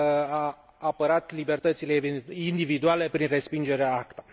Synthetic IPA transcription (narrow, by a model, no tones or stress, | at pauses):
aː | pəɾat̪libe̞rt̪ət̪sileveind̪ivid̪uale̞pɾinre̞spind͡ʒe̞ɾeaakt̪ḁ